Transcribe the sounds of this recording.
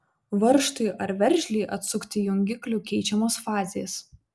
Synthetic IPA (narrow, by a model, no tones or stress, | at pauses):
ʋɐɾʃt̪ʊɪʔɐɾʋʲɛɾʲʒʲlʲɛːʔɐt̪sʊkt̪ʲɪjʊŋʲɡʲɪklʲʊkʲɛɪt͡ʃʲɛmoːsfɑːzʲeːs